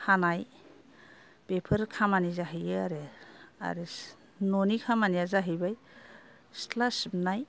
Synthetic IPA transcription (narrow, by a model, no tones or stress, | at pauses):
hanaj | b̥epʰəɾkʰamanizaɦɯjɯaɾea̰ɾi | nɔnikʰamanijazaɦɯjbaj | stlasbnaj